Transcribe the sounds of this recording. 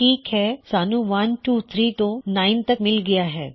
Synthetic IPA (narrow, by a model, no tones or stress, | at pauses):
ʈʰiːkɦɛsanuʋɐnʈuːt̪ʰɾiːt̪onaint̪əkmɪlɡəjaɦɛ̰ː